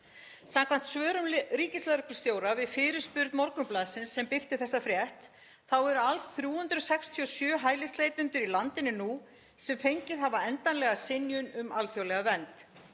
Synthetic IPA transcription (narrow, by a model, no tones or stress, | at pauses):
samkʰvan̥t̪svœːɾʏmɾiːcɪslaðɾʏhkpʏ̥st̪joːwɾavɪðfɪɾɪɾ̥spʏɾt̪mɔɾkʏmplaːðsɪnsːɛmpɪr̥t̪ɪθɛsːafɾjɛht̪ | θawɛɾalsθɾjuːhʏnt̪ɾʏsɛkst̪ʰiɔsjœːɦaːjlɪst̪lejt̪ʏnt̪ʏɾilant̪ɪnːɪnu | sɛmfejɲcɪðɦavaɛnt̪anlɛɣasɪnjʏnʏmalθjowlɛɣavɛnt̪